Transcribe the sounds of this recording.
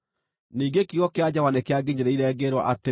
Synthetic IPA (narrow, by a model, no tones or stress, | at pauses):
niːɡekiɣɔkead͡ʑawanekeaɡeɲeɾeiɾɛːɡeɾwɔʔate